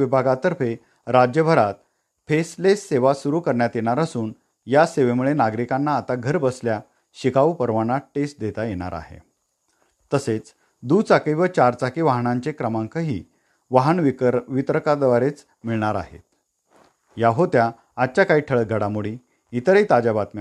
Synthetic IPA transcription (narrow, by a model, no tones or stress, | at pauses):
ʋibʱaɡat̪əɾfe | ɾad͡ʑjəbʱəɾat̪̚ | pʰeslesːeʋasuɾuːkəɾɳjat̪jeɽ̃aɾəsuːn | jaseʋemuɭenaɡɾikanːaːt̪aɡʱəɾbəslja | ɕikaʋupəɾʋanaʈesʈ̚d̪et̪ajeɽ̃a̰ɾa̰ɦḛ | t̪əset͡s | d̪ut͡sakəjʋət͡ɕaɾt͡sakiʋaɦɳãɲt͡ɕekɾəmãŋkəɦiː | ʋaɦəɳʋit̪ɾəkad̪ʋaɾet͡s | miɭɳaɾa̰ɦḛt̪ | jaɦot̪jaː | t̪t͡ɕjakaɦiːʈʰəɭɡʱəɽamuɭi | it̪əɾeit̪ad͡ʑabat̪ma